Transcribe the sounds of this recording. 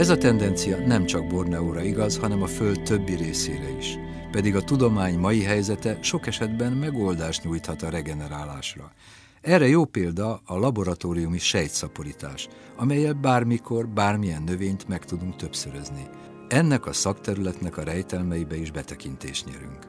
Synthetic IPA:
ɛzɒt̪ɛnd̪ɛnt̪sijɒnɛmt͡ʃɒɡ̚bo̞rnɛoːɾɒiɡɒzhɒnɛmɒfø̞ld̪t̪ø̞bːiɾeːsḛːɾɛiʃ | pɛd̪iɡɒt̪ud̪o̞maːɲmɒjiɦɛjzɛt̪ɛʃo̞kɛʃɛd̪bɛnmɛɡold̪aːʃt̪ɲuːjt̪hɒt̪ɒɾɛɡɛnɛɾaːlaːʃrɒ | ɛrːɛjoːpeːld̪ɒːlɒbo̞ɾɒt̪oːɾijumiʃɛjt̪sɒpo̞ɾit̪a̰ːʃɒmɛjːɛlbaːrmikʰo̞rbaːrmijɛnːø̞veːɲt̪mɛkt̪ud̪uŋk̚t̪ø̞psøɾøzni | ɛnːɛkɒsɒkt̪ɛɾylɛt̪nɛkɒɾɛjt̪ɛlmɛjibɛiʒbɛt̪ɛkint̪ḛːʃɲɛ̰ɾy̰ŋk

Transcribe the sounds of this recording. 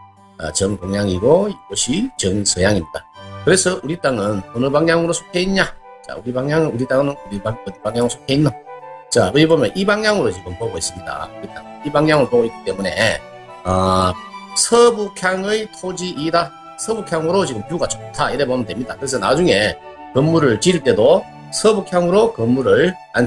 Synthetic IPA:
ʌ̰t͡ɕʌŋkoŋjaŋiɡoiɡʌɕʰit͡ɕʌŋsʰʌjaŋimɲidakɯɾe̞sʰʌʔuɾit͈aŋɯnʌnɯbaŋɲaŋɯɾosʰo̥kʰeiɲɲa | t͡ɕa̰uɾibaŋɲaŋɯuɾit͈aŋɯnɯnuɾibaʌnɯbaŋɲaŋɯosʰo̥kʰeinːat͡ɕaɯɾibomjʌnʔibaŋɲaŋɯɾot͡ɕiɡɯmpoɡois͈ɯmɲida̰uɾit͈a̰ŋɯnibaŋɲaŋɯɭop͈oɡoik͈i̥t͈e̞mune̞̰ | ʌ | sʰʌbukʰjaŋɯjtʰod͡ʑiʔida | sʰʌbukʰjaŋɯɾot͡ɕiɡɯmkjuɡat͡ɕʰo̥ktʰaiɾebʌmɯndwemɲida̰kɯɾe̞s̬ʰʌnad͡ʑuŋe̞ | kʌmːuɾɯɭt͡ɕiiɭt͈e̞do | sʰʌbukʰjaŋɯɾokʌmːuɾɯɭ | a̰nʰ

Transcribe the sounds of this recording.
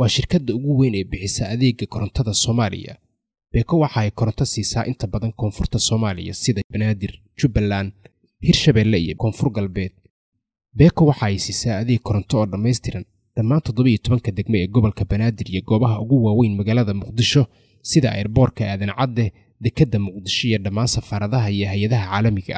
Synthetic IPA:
wɑːʃɪrkʰɐd̪ɐʊɣʊwɛːnɛːbɪħɪsɐʔɐðɛːɡɐkʰɔɾɔnt̪ʰɐðɐsɔːmaːlɪ̰jɐ̰ | b̥ɛːkʰɔwɑħɑɛjkʰɔɾɔnt̪ʰɐsiːsaːʔɪnt̪ʰɐbɐðɐŋkʰɔːnfʊrt̪ʰɐsɔːmaːlɪ̰jɐ̰sɪðɐbɐnaːd̪ɪr | t͡ʃʊbɐlaːn | hirʃɐβɛːlːɛḭjɞ̰kʰɔːnfʊrɡɐlbɛːd̪̥̚ | bɛːkʰɔwɑħɑɛjsiːsaːɐðɛkʰɔɾɔnt̪ʰɔɔːɖɐmɛjst̪ʰɪɾɐn | ɖ̥ɐmːaːnt̪ʰɔd̪ɔβɐijɔt̪ʰɔβɐŋkʰɐd̪ɛɡmɔɛːɡɔβɔlkʰɐbɐnaːd̪ɪrijɔɡɔːβɐɦɐʔʊɣʊwaːwɛjnmɐɣaːlɐðɐmʊqd̪ɪʃɔ | sɪðɐʔɛ̰ːrbɔːrkʰɐaːðɐnʕɑd̪ɛ | d̪ɛkʰɐd̪ːɐmʊq̚d̪ɪʃɔijɔɖɐmaːnsɐfaːɾɐðɐɦɐijɞɦɛjɐðɐɦɐʕaːlɐmɪɣɐ̰

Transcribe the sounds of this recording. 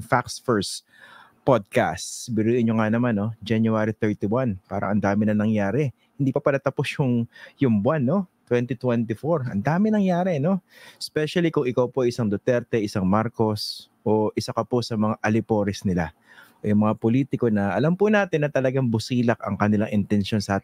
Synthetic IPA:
faksfɛɹs | pod̪̚ka̰st̪bɪɾiːʔɪnɲoŋanɐmanːo̞d͡ʒɛnjʊaːɾit̪ɛɹt̪iwanpa̰ːɾʔɐ̰ŋʔɐ̰nd̪aːmɪnɐŋnɐŋjaːɾɛ | hɪnd̪iːpɐpɐlɐt̪ɐposjʊŋjʊŋbwanːo̞t̪wɛnt̪it̪wɛnt̪ɪfoɹɐ̰nd̪aːmɪnɐŋjaːɾɛno̞spɛʃɐlikʊŋɪkawpoʔɐjʔɪsaŋd̪ot̪ɛɾt̪ɛʔɪsaŋmaɾko̞s | ʔo̞ʔɪsakɐposɐmɐŋaʔɐlɪpo̞ːɾɛsnɪla | ʔojʊŋmɐŋapoliːt̪ɪko̞nɐʔɐlampʊnaːt̪ɪnːɐt̪ɐlɐɡaŋbʊsiːlɐk̚ɐ̰ŋkɐnɪlaŋʔɪnt̪ɛnʃo̞nsɐa

